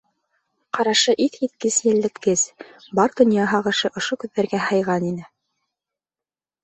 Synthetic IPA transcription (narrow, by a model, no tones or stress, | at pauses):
qɑɾɑʃɤʔiθit̪̚kɘzjɘ̆lːɘ̆k̪kɘz̥bɑɾd̪ŏnjɑɦɑqɤ̆ʃɤʔŏʃokʉðːæɾɡæhɤ̆jʁɑninɘ